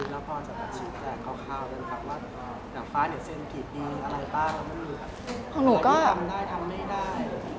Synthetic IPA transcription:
u˧˩t̪̚laː˧˥kʰɔː˧nsa˧˩kaː˨˩t͡ɕʰiː˨˩t͡ɕɛː˧˥˩ŋka˧˩kʰaː˧˩wka˧nkʰa˦˧˩p̚waː˥˩ | naː˨˩faː˧˥˩ni˧˩ɐse˧nkʰiː˨˩t̪̚diː˧ʔa˧ɾa˧jpaː˥˩ka˧ma˥˩muː˧˩kʰa˦˥˩pʰɔ˧ŋnuː˨˩˦kɔː˥˩˧mdaː˥˩jt̪ʰa˧mːa˥˩jdaː˥˩j

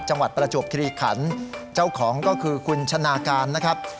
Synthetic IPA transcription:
t͡ɕa˧ŋwa˨˩t̪̚pɾa˧t͡ɕu˨˩p̚kʰi˧ɾiː˧˩kʰa˩˦nt͡ɕa˥˩wkʰɔː˩˦ŋkɔː˥˩kʰɯː˧kʰu˧nt͡ɕʰa˧naː˧kaː˧nːa˦˥kʰɾa˦˥p̚

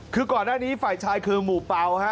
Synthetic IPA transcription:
kʰɯː˧kɔː˨˩nːaː˥˩niː˦˥fa˨˩jt͡ɕʰaː˧jkʰɯː˧muː˨˩pa˧wha˦˥

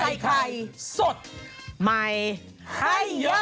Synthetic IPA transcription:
a˧jkʰa˧jso˨˩t̪̚ma˧j | ha˧

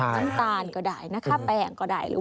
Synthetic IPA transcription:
a˧˥˩nt̪aː˧nkɔ˧˩daː˨˩jna˦˥kʰa˧˩pɛː˨˩ŋkɔː˧˩da̰ː˨˩jɾɯ̰˨˦

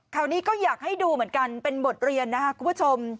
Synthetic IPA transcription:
kʰaː˨˩wniː˦˥kɔː˥˩jaː˨˩k̚ha˥˩jduː˧mɯ˩˦ənka˧npe˧nbo˨˩t̪̚ɾi˧ənːa˦˥kʰa˦˥kʰu˧mpʰu˦˥t͡ɕʰo˧m

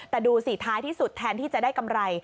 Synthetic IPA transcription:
t̪ɛː˨˩duː˧siː˨˩˦t̪ʰaː˦˥jt̪ʰiː˥˩su˨˩t̪ʰːɛː˧˥nt̪ʰiː˥˩t͡ɕa˨˩ʔdaː˥˩jka˧mɾa˧j

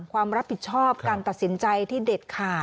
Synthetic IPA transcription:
ŋkkʰwaː˧mɾa˦˥pʰːi˨˩t̪̚t͡ɕʰɔː˥˩p̚kaː˧nt̪a˨˩si˩˦nt͡ɕa˧jt̪ʰiː˥˩deː˨˩t̪̚kʰaː˨˩

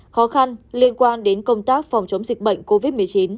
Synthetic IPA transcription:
xɔ˨˦xa˧nli˧ənkwaː˧nɗe˨˦nkə˧wŋ͡mt̪aː˦˥k̚fa˨˩wŋ͡mt͡ɕə˨˦wŋ͡mzi˨˩k̚ɓə̰˧˨jŋ̟ko˧vi˦˥t̚mɨ˨˩əjt͡ɕi˨˦n

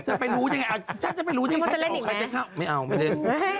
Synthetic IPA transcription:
t͡ɕa˨˩pa˧jɾuː˦˥ɲa˧ŋːa˧jʔa˧˩t͡ɕʰa˦˥˩t͡ɕa˨pa˧jɾu˦˧a˧˦˧a˥˧e˧˨˧ka˧˩t͡ɕa˧˥˩kʰa˥˩wma˥˩jʔa˧wma˥˩e˧˥˩n

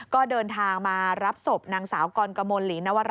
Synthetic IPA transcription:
kɔː˥˩dɤː˧nt̪ʰaː˧ŋmaː˧ɾa˦˥p̚so˨˩p̚naː˧ŋsaː˩˦wkɔː˧nka˧mo˧nliː˩˦na˦˥wa˧ɾ

